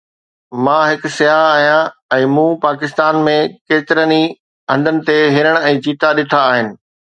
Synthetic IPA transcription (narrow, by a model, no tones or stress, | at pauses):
mãːɦɪksɪjaːɦaːɦijãɛ̃ːmũːpaːkɪst̪aːnmẽkeːt̪ɪɾəni | ɐ̃nd̪ʱənɪ̆t̪eɦɪɾəɽ̃ɛ̃ːt͡ɕiːt̪aɗɪt̪ʰaːɦɪnɪ̆